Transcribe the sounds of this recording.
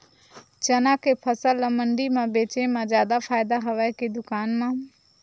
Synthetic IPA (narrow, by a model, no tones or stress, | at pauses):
t͡ʃənãːkʰeːpʰəsələməɳɖimãbeːt͡ʃẽmãːzjaːd̪apʰaːɪd̪aɦɐʋaked̪ʊkaːnmãː